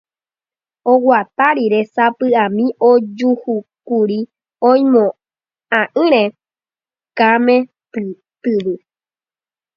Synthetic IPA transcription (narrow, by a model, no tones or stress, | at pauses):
owʷat̪aɾiɾesapɨãmĩʔod͡ʒuhukuɾi | õj̃mõ | ãʔɨ̃ɾ̃ẽ | kamẽ | t̪ɨβɨ